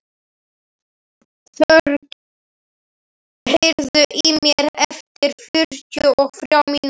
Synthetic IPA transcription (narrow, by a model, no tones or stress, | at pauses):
θœɾ | hejɾðʏʔimjɛɾɛft̪ɪɾ̥fʏɾ̥cʏʔɔɣfɾjawmiːn